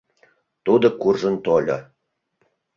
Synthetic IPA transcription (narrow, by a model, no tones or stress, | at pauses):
t̪ud̪ɤ̆kurʐə̆nt̪olʲɤ̰